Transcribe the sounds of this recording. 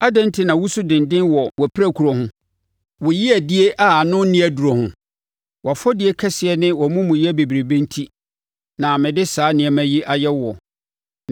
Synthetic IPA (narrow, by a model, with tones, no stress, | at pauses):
a˦dɛ̃˦n˦tʰɪ˨nã˨wʊ˦su˦dɪ̃˨ndɪ̃˦nwɔ˨wɔ˨pʰɪ˦ɾæ˦kʰu˨ɾɔ˨hʊ̃˦ | wʊ˨ji˦æ˨dɪ˦e˦ʔa˨nʊ̃˦nɪ̃˦æ˨du˨ɔ˨hʊ̰̃˨˦ | wa˨fɔ˦dɪ˨˦e˦kʰɛ˦sɪ˨ɛ˨˦nɪ̃˦wɔ˨mʊ̃˦mũ˨jɛ˦be˨bi˨ɾe˨bẽ˦n˦tʰi˦ | nã˨mɪ̃˨dɪ˦saː˨˦nɪ̃˨ɛ˨mæ̃˦ji˦ʔa˨jɛ˦wɔ˨